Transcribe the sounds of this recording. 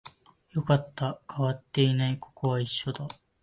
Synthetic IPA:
jo̞kat̪ːakʰaβat̪ːe̞inaiko̞̥ko̞βaiɕːo̞d̪a

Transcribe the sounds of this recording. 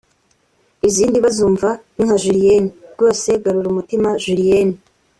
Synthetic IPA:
iziːndiβazuːɱvaniŋaʒuɾijeniɡo̞ːse̞ɡaɾuɾumutimaʒuɾieni

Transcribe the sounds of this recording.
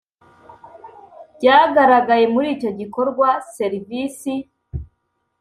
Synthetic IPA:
ɟaːɡaɾaɡaje̞muɾiːco̞ɟiko̞ɾɡwase̞ɾivisi

